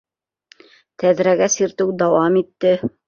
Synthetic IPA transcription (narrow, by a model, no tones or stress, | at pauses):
t̪æðɾæɡæsiɾt̪ɘwd̪ɑwɑmit̪ːɘ